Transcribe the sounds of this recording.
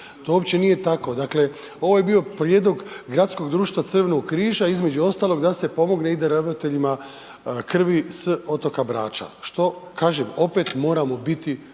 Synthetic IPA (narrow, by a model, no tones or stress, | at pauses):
t̪oopt͡ɕe̞nije̞t̪ako̞d̪akle̞ | o̞ʋo̞je̞bio̞pɾje̞ːd̪o̞ɡɡɾat̪sko̞ɡd̪ɾuːʃt̪ʋat̪r̩ʋe̞no̞ɡkɾiːʒaizme̞d͡ʒuo̞st̪aːlˠo̞ɡd̪ase̞po̞mo̞ɡne̞id̪aɾaʋɾot̪e̞ʎima | kr̩ʋiso̞t̪o̞kabɾa̰ːt͡ʃa̰ʃt̪o̞kaːʒemo̞pe̞t̪mo̞ːɾamo̞bit̪i